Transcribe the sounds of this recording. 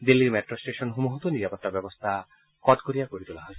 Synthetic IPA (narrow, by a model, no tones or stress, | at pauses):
d̪ilːiɾmɛʈɾosʈeʃɔnɦumuɦɔt̪oniɾapɔt̪ːabɛbost̪ʰa | kɔʈkoɾijakoɾit̪ulaɦɔe